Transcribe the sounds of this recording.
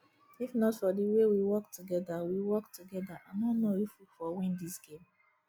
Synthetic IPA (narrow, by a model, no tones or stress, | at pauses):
ifnɔtfɔdiwewiwɔktuɡɛdawiwɔktuɡɛdaʔanɔnojifufɔwĩndisɡẽm